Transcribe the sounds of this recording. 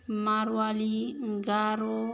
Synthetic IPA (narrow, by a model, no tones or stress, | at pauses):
maɾwaliŋɡaɾo